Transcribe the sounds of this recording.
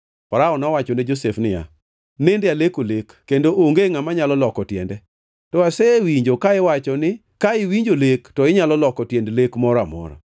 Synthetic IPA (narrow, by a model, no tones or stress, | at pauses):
paɾaɔnawat͡ʃɔnɪd͡ʒosefnɪja̰ | nɪndalekolekːendoʔoŋɡeŋamaɲalɔlɔkɔtjɛ̰ndɛ | tɔasɛwiɲd͡ʒokaɪwat͡ʃɔnɪ | kaɪwiɲd͡ʒolektɔɪɲalɔlɔkɔtjendlekmɔɾamɔ̰ɾa̰